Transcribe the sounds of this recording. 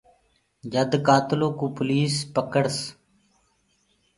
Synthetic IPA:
d͡ʒəd̪kaːt̪ɪloːkuːpʊliːspəkəɽs

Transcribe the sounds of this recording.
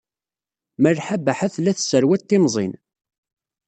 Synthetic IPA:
məlħabəħæθlːæθsəɾwæt̪ːɪmzˤḭn

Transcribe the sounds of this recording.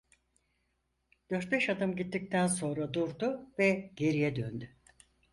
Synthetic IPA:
d̪̥øɾt̪̚bɛʃad̪ɯmɟit̪ʰːic̚t̪ʰænso̞nɾad̪uɾd̪uvɛɟe̞ɾijɛd̪ø̰nd̪y

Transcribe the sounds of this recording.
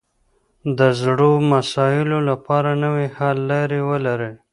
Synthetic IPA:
d̪əzɽomasɑɪlolapɑɾanəwehalːɑɾewəlaɾe

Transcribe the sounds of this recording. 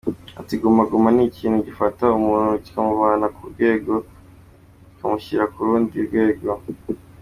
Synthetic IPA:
a̰tiɡumaɡumaniciːnhuɟifataumuːnuɟi̥kamuβaːnakuɾɡwe̞ːɡo̞ | ikamuçiɾakuɾuːndiuɾɡwe̞ːɡo̞

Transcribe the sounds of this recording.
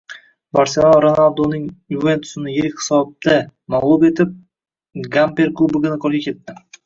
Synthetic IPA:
baɾselˠoɾonalˠd̪onɪŋjuve̞nt̪ʰʊ̥sɪnɪjeɾɪkʲhɪ̥sɒb̚d̪̥amalˠupe̞t̪ʰɪp̚ | ɡampe̞ɾklˠubʊɡʲɪnɪqʰɒlˠɡʲakʲʰe̞t̪ːɪ

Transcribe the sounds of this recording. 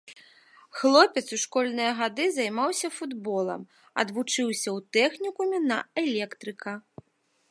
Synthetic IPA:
xlˠɔpʲɛt̪suʂkɔlʲnɨjɐɣad̪ɨzɐjmawsʲɐfud̪bɔlˠɐ̰m | ɐ̰d̪vut͡ʂɨwsʲɐwt̪ɛxnʲikumʲinɐɛlʲɛkt̪ɾɨkɐ

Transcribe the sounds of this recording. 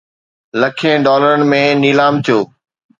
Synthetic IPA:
lɐkʰẽːɖɔːləɾənɪ̆mẽniːlaːmt̪ʰijoː

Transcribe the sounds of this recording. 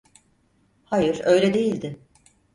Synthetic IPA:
hajɯɾø̞jlʲɛd̪e̞jilʲd̪ɪ

